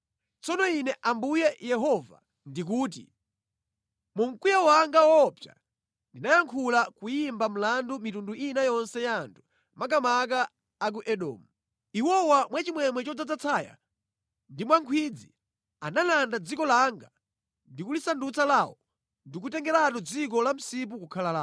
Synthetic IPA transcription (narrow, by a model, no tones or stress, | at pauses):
t͡sɔnɔinɛʔambujɛjɛɦɔva̰ | ndik̬uːt̬ḭ | muŋ̩kujawaŋɡawɔpja̰ | ndinajaŋkʰulakujimbam̩landumitunduinajɔnsɛjantʰu̥ | mak̬amak̬aː | k̬uʔɛɗɔ̰ːmu | iwɔwamwat͡ʃimwɛmwɛt͡ʃɔd͡zad͡zat͡sʰaːja̰ | ndimwaŋkʰwid͡zi | analandad͡zikɔlaŋɡa | ndikulisandut͡salaːwɔ | ndik̬utɛŋɡɛɾatɔd͡zik̬ɔlam̩sip̬ukukʰalalaː